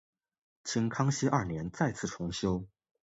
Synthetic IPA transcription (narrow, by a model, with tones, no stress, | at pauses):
t͡ɕʰi˧˥ŋkʰɑ˥ŋɕi˥ʔɐ˥˩njɛ˧˥nt͡sa˥˧ɪt͡sʰɹ̩˥˩ʈ͡ʂʰʊ˧˥ŋɕjo˥ʊ